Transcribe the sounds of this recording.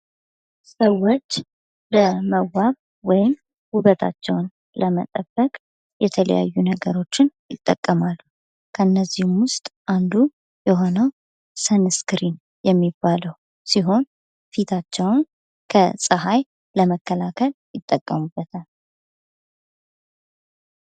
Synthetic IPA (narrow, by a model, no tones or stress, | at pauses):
səwːo̞t͡ʃː | bəməwaβ | wɔjɪm | huβət̪ʰa̰t͡ʃːɛ̰wn | ləmə̰t̪ʼəbːəkʼ | jɛt̪ʰələ̰ja̰jːunəɡəɾo̞t͡ʃːɪnjɪt̪ʼːəkʼːəmalːu | kʰəɨnːəzːihmwʊst̪ʼʔand̪u | jɛɦo̞nəw | sənskɾin | jɛmːibːaləw | siɦo̞n | fit̪ʰat͡ʃːɛwn | kʰəsʼəɦaj | ləməkːəlakʰəljɪt̪ʼːəkʼːəmubːət̪ʰal